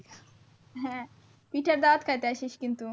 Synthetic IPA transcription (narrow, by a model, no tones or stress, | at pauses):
ɦɛ̃ | piːʈɐɾd̪aːt̪kɐjt̪eɐʃiʃkint̪u